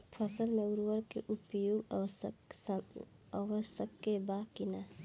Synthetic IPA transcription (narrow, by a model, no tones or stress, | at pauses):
pʰəsəlmẽuɾwəɾkḛʔupjoːɡ | əʋəsəkːebaːkina